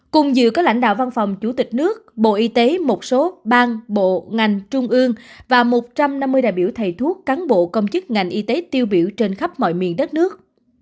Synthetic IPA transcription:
kʊ˨˩ŋ͡mzɨ̰˧˨kɔː˨˦˥la̰˧˩ŋ̟ɗa̰ː˧˨wva˧nfɔ˨˩wŋ͡mt͡ɕu˧˩t̪ï˨˩k̟̚nɨ˦˥ək̚ɓo̰˧˨ʔi˧t̪e˨˦mo˨˩t̚so˨˦ɓaː˧ŋɓo̰˧˨ŋa˨˩jŋ̟t͡ɕʊ˧ŋ͡mʔɨ˧əŋvaː˨˩mo˨˩t̚t͡ɕa˧mna˧mːɨ˧əjɗa̰ː˧˨jɓi˧˩wt̪ʰə˨˩jt̪ʰu˦˥əkkːaː˨˦nɓo̰˧˨kə˧wŋ͡mt͡ɕɨ˦˥k̚ŋa˨˩jŋ̟ʔi˧t̪e˨˦t̪i˧əwɓḭ˧˩əwt͡ɕe˧nxa˦˥p̚mɔ̰˧˨jmḭ˧˨ənɗə˦˥t̚nɨ˦˥ək̚

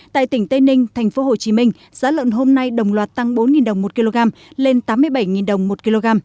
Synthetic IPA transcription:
t̪a̰ː˧˨jt̪ï˧˩ŋ̟t̪ə˧jnï˧ŋ̟t̪ʰɛ˨˩jŋ̟fo˨˦ɦo˨˩t͡ɕi˨˦mï˧ŋ̟ | z̥aː˨˦lwə̰˧˨nɦo˧mna˧jɗə˨˩wŋ͡mlwaː˨˩t̚t̪a˧ŋɓo˨˦nŋi˨˩nɗə˨˩wŋ͡mmo˨˩t̚ki˧lo˧ɣaː˧mle˧nt̪aː˨˦mːɨ˧əjɓa˧˩jŋi˨˩nɗə˨˩wŋ͡mmo˨˩t̚ki˧lo˧ɣaː˧m

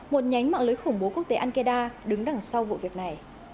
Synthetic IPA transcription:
mo˨˩t̚ɲa˨˦jŋ̟ma̰ː˧˨ŋlɨː˨˦jxʊ˧˩ŋ͡mɓo˨˦ku˦˥ək̚t̪e˨˦ʔaː˧nke˧ɗaː˧ɗɨ˨˦ŋɗa˧˩ŋsa˧wvṵ˧˨vi˨˩ək̚na˨˩j

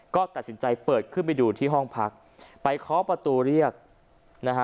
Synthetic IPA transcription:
kɔː˥˩t̪a˨˩t̪̚si˩˦nt͡ɕa˧jpɤː˨˩t̪̚kʰɯ˥˩npa˧jduː˧t̪ʰiː˥˩ɦɔ˥˩ŋpʰa˦˥k̚ | pa˧jkʰɔː˦˥pɾa˧t̪uː˧ɾi˥˩ək̚ | na˦˥kʰa˦˥

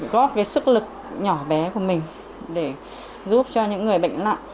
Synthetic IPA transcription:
ɣɔ˦˥kaː˨˦jsɨ˦˥k̚lɨ˨˩k̚ɲɔ˧˩ɓɛ˨˦ku˧˩əmï˨˩ŋ̟ | ɗe˧˩ | zu˦˥p̚t͡ɕɔ˧ɲɨ̰˧˥ŋːɨ˨˩əjɓə̰˧˨ŋ̟la̰ː˧˨ʔ

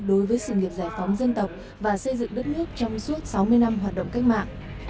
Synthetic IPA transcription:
ɗo˨˦jvəː˨˦jsɨ̰˧˩ŋi˨˩əp̚zaː˧˩jfɔ˨˦wŋ͡mzə˧nt̪ə˨˩wk͡p̚ | vaː˨˩sə˧jzɨ̰˧˨ŋɗə˦˥t̚nɨ˦˥ək̚t͡ɕɔ˧wŋ͡msu˦˥ət̚sa˨˦wmɨ˧əjna˧mɦwaː˨˩t̚ɗə̰˧˨ŋ͡mka˦˥jk̚ma̰ː˧˨ŋ

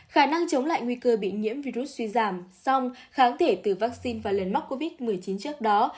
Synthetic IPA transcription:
xaː˧˩na˧ŋt͡ɕə˨˦wŋ͡mla̰ː˧˨jŋwi˧kəː˧ɓḭ˧˨nŋḭ˧˥əmvi˧ɾu˦˥t̚swi˧zaː˧˩msɔ˧wŋ͡mxaː˨˦nt̪ʰe˧˩t̪ɨ˨˩vaː˦˥k̚si˧nvaː˨˩lə˨˩nma˦˥t̚ko˧vi˦˥t̚mɨ˨˩əjt͡ɕi˨˦nt͡ɕɨ˦˥ək̚ɗɔ˨˦

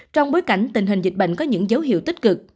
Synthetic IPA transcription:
t͡ɕɔ˧wŋ͡mɓoː˨˦jka˧˩jŋ̟t̪i˨˩ŋ̟ɦï˨˩ŋ̟zi˨˩k̟̚ɓə̰˧˨ŋ̟kɔ˨˦ɲɨ̰˧˥ŋzə˨˦wɦḭ˧˨wt̪ï˦˥k̚kɨ˨˩k̚

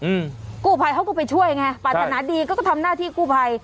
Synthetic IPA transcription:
kuː˥˩pʰa˧jhʰa˦˥˩kɔ˥˩pa˧jt͡ɕʰu˥˩əjŋa˧˩paː˨˩t̪ʰa˧naː˩˦˥diː˧kːkt̪ʰa˧mnaː˥˩t̪ʰiː˥˩kuː˥˩pʰa˧j

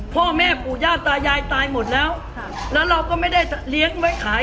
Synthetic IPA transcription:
pʰɔː˥˩mɛː˥˩puː˨˩jaː˥˩k̚t̪aː˧jaː˧jt̪aː˧jmo˨˩t̪̚lɛː˦˥w | lɛː˦˥wɾa˧wkɔː˥˩ma˥˩jda˥˩jli˦˥əŋwa˦˥jkʰaː˩˦

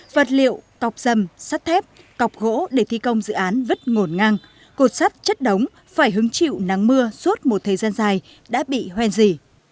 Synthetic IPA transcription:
və˨˩t̚lḭ˧˨əwka˨˩wk͡p̚z̥ə˨˩msa˦˥t̚t̪ʰɛ˦˥p̚ | ka˨˩wk͡p̚ɣo̰˧˥ɗe˧˩t̪ʰi˧kə˧wŋ͡mzɨ̰˧˨ʔaː˨˦nvə˦˥t̚ŋo˧˩nŋa˧ŋ | ko˧˩t̚sa˦˥t̚t͡ɕə˦˥t̚ɗə˨˦wŋ͡m | faː˧˩jɦɨ˨˦ŋt͡ɕḭ˧˨wna˨˦ŋmɨ˧əsu˦˥t̚mo˨˩t̚t̪ʰə˨˩jzaː˧nzaː˨˩j | ɗa̰ː˧˥ɓḭ˧˨hwɛ˧nzi˧˩

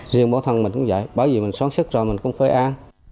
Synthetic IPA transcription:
zɨ˨əɓɔ˧˦t̪ʰə˨˩nmï˨˩ŋ̟kʊ̰˧˦ŋ͡mza̰˧˨jɓaː˧˩ziː˨˩mi˨˩ŋ̟sɔː˨˦˥ŋsɨ˦˥k̚zɔ˨˩mï˨˩ŋ̟kʊ̰˧˥ŋ͡mfaː˧˩jʔaː˧n

